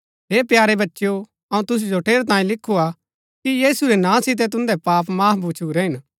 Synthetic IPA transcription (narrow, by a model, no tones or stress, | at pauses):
ɦeːpjaːɾebɐtːʃjo | ɐũt̪ʊs̬ud͡ʒoːʈeːɾt̪ãːĩlɪkʰːua | kijiːsuɾɛnãːsɪt̪̬ɛt̪̬ʊ̃nd̪ɛpaːpmaːbʱut͡ʃʰuɾɛɦɪn